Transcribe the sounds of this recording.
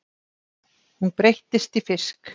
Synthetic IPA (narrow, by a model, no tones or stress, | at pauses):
hunpɾejht̪ɪst̪ifɪsk